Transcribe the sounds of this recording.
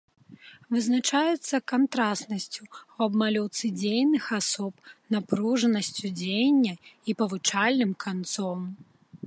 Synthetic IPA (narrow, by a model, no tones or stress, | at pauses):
vɨznat͡ʂajɛt̪sːɐkant̪ɾasnɐsʲt͡sʲuwɐbmalʲɔwt̪sɨd͡zʲejnɨxasɔpnapɾuʐɐnɐsʲt͡sʲud͡zʲejnʲːɐipɐvɨt͡ʂalʲnɨmkʰant̪sɔm